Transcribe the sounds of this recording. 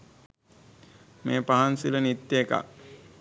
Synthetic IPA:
meːpaɦansilənit̪ːeːka̰

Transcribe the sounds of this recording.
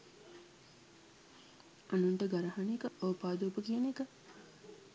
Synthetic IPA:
anuɳʈəɡaɾɐɦanekəʔoːpaːd̪uːpəkijənekə

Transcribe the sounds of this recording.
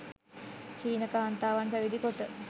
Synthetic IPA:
t͡ʃiːnəkaːnt̪aːʋanpæʋid̪ikoʈə

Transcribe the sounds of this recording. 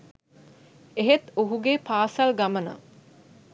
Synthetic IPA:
eɦet̪oɦuɡeːpaːsɐlɡamənə̰

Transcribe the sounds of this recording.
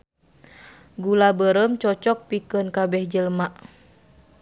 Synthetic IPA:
ɡulabəɾəmt͡ʃɔt͡ʃɔk̚pikənkabɛhd͡ʒəlmaʔ

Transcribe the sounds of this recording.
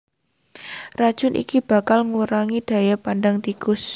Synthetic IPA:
rad̥ʒ̥ʊ̤nʔḭkib̥a̤kalŋuɾaŋid̥ä̤japandaŋt̪ikʊs

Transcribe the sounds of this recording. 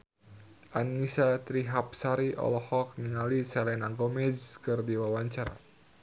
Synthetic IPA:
ʔanːisat̪ɾiɦap̚saɾiʔɔ̰lɔhɔk̚niŋalisɛlɛnaŋɡɔmɛzkɨrdiwawaɲt͡ʃaɾa̰

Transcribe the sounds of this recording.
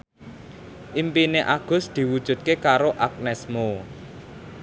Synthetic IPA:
ʔimpineʔaɡ̥ʊ̤sd̪̥i̤wud̥ʒ̥ṳt̪̚kekaɾoʔak̚nɛsmo

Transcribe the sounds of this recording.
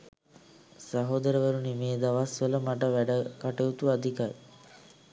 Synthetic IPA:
saɦod̪əɾəʋəɾunimeːd̪aʋasʋələmaʈəʋæɖəkaʈeut̪uad̪ʱikaj

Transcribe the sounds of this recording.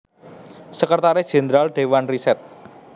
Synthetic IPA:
səkərt̪aɾɛd̥ʒ̥e̤nd̪ɾalɖ̥ewanrisɛt̪̚

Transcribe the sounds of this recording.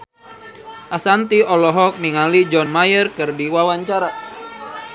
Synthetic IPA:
ʔasant̪iɔlɔɦɔk̚niŋalid͡ʒɔnmajərkɨrdiwawaɲt͡ʃaɾa

